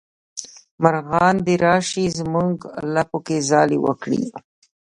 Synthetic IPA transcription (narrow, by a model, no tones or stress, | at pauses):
maɾɣɑnd̪eɾɑʃizmuŋɡlapokezɑlḭwə̰kɽḭ